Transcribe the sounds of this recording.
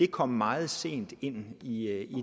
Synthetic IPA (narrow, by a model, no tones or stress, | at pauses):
e̝kʰɒ̽m̰ːɑ̈ːð̞̩ˠse̝̰ːnd̥e̝n̰ii